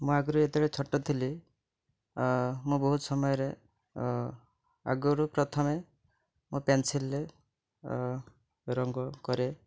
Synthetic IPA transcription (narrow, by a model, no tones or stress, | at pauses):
mũaɡuɾuet̪iɽet͡ʃʰɔʈːɔt̪ʰili | mũbɔɦut̪sɔmɔjɔɾe | a̰ɡuɾupɾɔt̪ʰɔme | mũpjansilːe | ɾɔŋɡɔkɔɾe